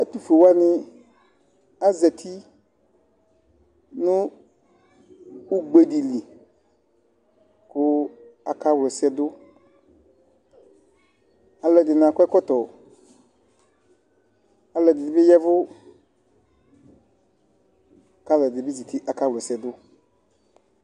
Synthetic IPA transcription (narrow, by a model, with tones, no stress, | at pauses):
a˦tu˨fe˨wa˦nɪ˦ | a˦zɛ˨tʰi˦ | nʊ˦ | u˦ɡ͡be˨di˨li˨ | kʊ˦a˨ka˦wlɔ˨sɛ˦dʊ˦ | a˨lɔ˨dɪ˨n˨a˨kɛ˦kɔ˦tɔ˨ | a˨lɔ˨dɪ˨dɪ˨bɪ˦jɛ˦vʊ˦ | ka˦lɔ˨dɪ˨bɪ˦ze˨ti˦ʔa˨ka˦wlɔ˨sɛ˨dʊ˦